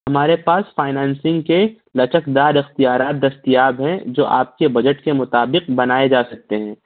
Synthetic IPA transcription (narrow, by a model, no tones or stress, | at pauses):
hɐmaːɾepaːsfaːɪnɛ̃ːnsɪ̃ŋɡke | lɐt͡ʃəkd̪aːɾɪxt̪ijaːɾaːt̪̚d̪ɐst̪ijaːbɦɛ̃d͡ʒo̰ːʔa̰ːp̚kebɐd͡ʒəʈkemʊt̪aːbɪq̚bɐnaːed͡ʒaːsɐk̚t̪eɦɛ̃ː